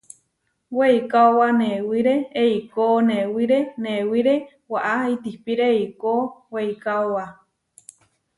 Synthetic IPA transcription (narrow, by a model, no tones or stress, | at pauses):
weikaowanewiɾeːikonewiɾenewiɾe | waʔait̪ihpiɾeikoweikaowa